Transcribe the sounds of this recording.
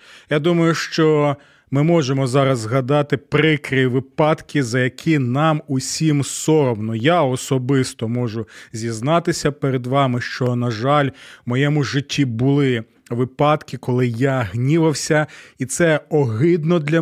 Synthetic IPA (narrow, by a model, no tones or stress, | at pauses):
jad̪umɐjʊʃt͡ʃɔ | mɪmɔʒemɔzɑɾɐzɦɐd̪ɑt̪ɪpɾɪkɾʲiʋɪpɑt̪kʲizɐjɐkʲʰinɑmuʊsʲimsɔɾɔmnɔjaɔsɔbɪst̪ɔmɔʒʊzʲiznɑt̪ɪsʲɐpeɾed̪ʋɑmɪʃt͡ʃɔnɐʒɑlʲmɔjɛmʊʒɪtʲːibʊlˠɪ | ʋɪpɑt̪kʲɪkɔlˠɪjaɦnʲiʋɐwsʲɐit̪sɛɔɦɪd̪nɔd̪lʲɐ